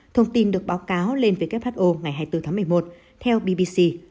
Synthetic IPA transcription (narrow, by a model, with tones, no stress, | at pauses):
t̪ʰə˧wŋ͡mt̪i˧nɗɨ˨˩ək̚ɓaː˨˦wkaː˨˦wle˧nveː˨˦jkp̚haː˦˥t̚ʔo˧ŋa˨˩jɦaː˧˩jt̪ɨ˧t̪ʰaː˨˦ŋm˨˩əjmo˨˩t̚ | t̪ʰɛ˧wɓi˧ɓi˧si˧